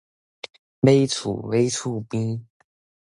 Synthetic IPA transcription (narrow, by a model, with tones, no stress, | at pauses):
we˥ɪt͡sʰṵ˨˩we˥ɪt͡sʰu˥˩pi˥ŋ